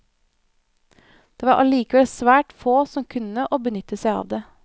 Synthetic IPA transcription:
d̪̥eːʋɑːɾʔɑ̰ɭiːkəʋɛlsʋæːʈfoːsɔmkʰʉnəʔoːbənʏt̪əsæɪɑ̰ːʋd̪eː

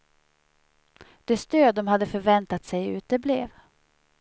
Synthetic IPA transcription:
d̪̥ɛst̪øːd̪ɔmhad̪ːəfœɾvɛnt̪at̪sɛjʉ̟̰ːt̪əbleːv

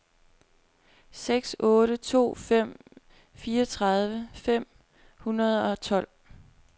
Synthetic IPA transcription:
seɡ̥sɔ̽ːɾət͡sʰo̝̰ːfem̰ | fiːɒt͡sʰʁɑð̞ˠʋəfem̰ | hunɐð̞ˠɒ̽t͡sʰɒ̽l̰

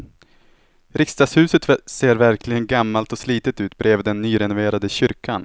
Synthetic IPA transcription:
ɾɪkst̪ɑːshʉ̟ːsət̪seːɾvæɾklɪɡənɡamːalt̪ɔsliːt̪ət̪ʉ̟ːt̪̚bɾʔeːvd̪ɛnːyːɾɛnʊveːɾad̪əɕʏɾkʰan

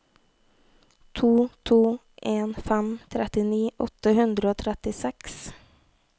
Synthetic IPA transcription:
t̪ʰuːt̪ʰuː | ʔeːnfæmt̪ʰɾɛt̪ɪniːʔɔt̪əhʉnd̪ɾəoːt̪ʰɾɛt̪ɪsɛks

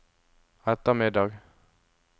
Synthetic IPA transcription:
ɛt̪ːəmɪd̪ɑːɡ

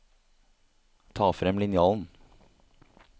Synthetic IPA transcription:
t̪ʰɑːfɾɛmlɪnɪɑːln̩

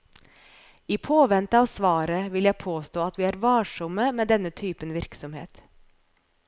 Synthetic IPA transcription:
iːpʰoːʋɛnt̪ɑːʋsʋɑːɾəʋɪljæɪpʰoːst̪oːɑt̪ʋiːæːɾʋɑːʃʊməmeːd̪ɛnət̪ʰyːpənʋɪɾksɔmhḛːt̪

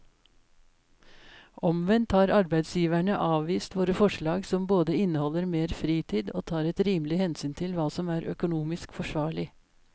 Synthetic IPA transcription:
ʔɔmʋɛnt̪hɑːɾɑɾbæɪd̪sjiːʋæɳəʔɑːʋʋiːst̪ʋoːɾəfɔʃɭɑːɡsɔmboːd̪əɪnəhɔləɾmeːɾfɾiːt̪ʰiːd̪o̰ːt̪ʰɑːɾɛt̪ɾiːmlɪhɛnsyːnt̪ʰɪlʋɑːsɔmæːɾʔœ̰kʊnuːmɪskfɔʃʋɑːɭɪ

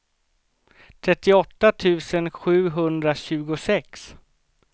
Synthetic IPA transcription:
t̪ʰɾɛt̪ːɪɔt̪ːat̪ʰʉ̟ːsənɧʉ̟ːɦɵnd̪ɾaɕʉ̟ːɡʊsɛks

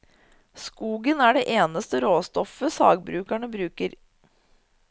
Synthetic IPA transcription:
skuːɡənæɖeːʔeːnəst̪əɾoːst̪ɔfəsɑ̰ːɡbɾʉːkæɳəbɾʉːkəɾ

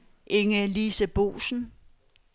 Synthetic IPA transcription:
ʔe̝ŋəlisəb̥o̝̰ːsn̩

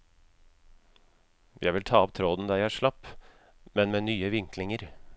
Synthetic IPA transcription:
jʔæ̰ɪʋɪlt̪ʰɑːɔp̚t̪ʰɾoːd̪n̩d̪ɑɾjæɪæːʂɭɑpː | mɛnmeːnyːəʋɪŋklɪŋəɾ

